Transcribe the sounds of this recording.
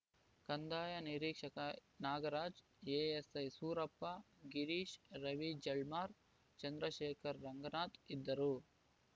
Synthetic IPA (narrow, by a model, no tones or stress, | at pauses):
kɐnd̪aːjɐniɾiːkʂɐkɐnaːɡɐɾaːd͡ʒ | eːesɐjsuːɾɐpːɐ | ɡiɾiːʃɾɐʋid͡ʒɐlmaːɾ | t͡ʃɐnd̪ɾɐʃɛːkʰɐɾːɐŋɡɐnaːt̪id̪ːɐɾu